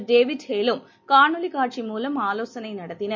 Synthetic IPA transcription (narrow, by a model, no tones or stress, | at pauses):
ɖeːʋiɖheːlum | kaːɳulikaːʈʂimuːlɐmaːlo̞ːsɐnɐjnɐɽɐt̪ːinɐ